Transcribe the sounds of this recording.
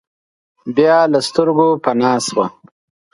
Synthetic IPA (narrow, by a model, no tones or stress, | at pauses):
bjɑlast̪əɾɡopanɑswa